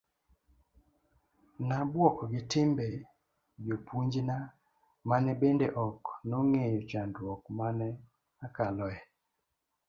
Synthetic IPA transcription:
nabwɔʔɔɡɪtɪmbɛ | jopʰuɲd͡ʒna | manɛbendeʔɔknɔŋejɔt͡ʃandwɔkmanɛ | akalɔɛ

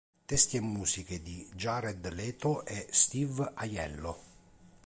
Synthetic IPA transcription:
t̪ɛst̪jɛmːuːsik̟ed̪id͡ʒaɾɛd̪lɛːt̪ʊʔɛst̪ivajɛ̰lːo

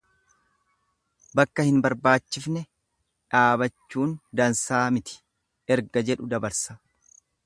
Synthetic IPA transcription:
bɐkːɐhɪnbɐɾbaːt͡ʃːɪfnɛ | ᶑaːbɐt͡ʃːuːnd̪ɐnsaːmɪt̪ɪ̥ | ɛɾɡɐd͡ʒɛᶑʊd̪ɐbɐɾsɐ

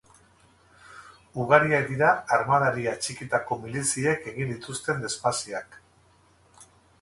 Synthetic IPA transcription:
uɣaɾiad̪iɾaːɾmað̞aɾiat͡ʃikit̪ako̞milisie̞ke̞ɣind̪it̪ust̪e̞nd̪e̞spasiak

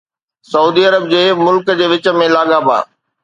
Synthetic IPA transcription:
sɐuːd̪iɐɾəb̚d͡ʑeːmʊlkəd͡ʑeːʋɪt͡ɕə̆mẽlaːɠaba̰ː

